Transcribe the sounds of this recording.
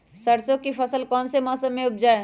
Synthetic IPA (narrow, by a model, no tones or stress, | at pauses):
səɾt͡ʃõkipʰəsəlkɔːnsemɔːsəmːẽʊp̚d͡ʒae